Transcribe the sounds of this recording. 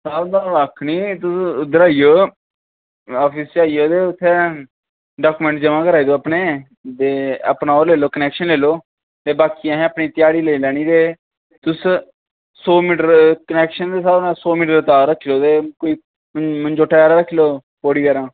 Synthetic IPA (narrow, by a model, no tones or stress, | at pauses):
saːld̪ãːʋakʰniːt̪ʊsd̪əɾaːijoː | ɔːpʰiːst͡ʃaːioːd̪eːʊt̪ʰːeː | ɖaːkuːmɛ̃ɳʈd͡ʒəʋãːkəɾaːid̪oːəpneː | d̪eːə̰pnaːoːleːloːkənɛːkʃənleːloː | t̪eːbaːkiãːɦɛ̃ːəpɳiːt̪ɪjaːɽiːleːlɛːɽ̃iːd̪eː | t̪ʊs | soːmiʈəɾkənɛːkʃənd̪eːsaːɾnãːsoːmiʈəɾət̪aːɾəkʰːiːloːd̪eːkoːiː | mənd͡ʒoːʈʰaːaːɾaːɾəkʰːiloː | poːɽiːd̪ɛːɾãː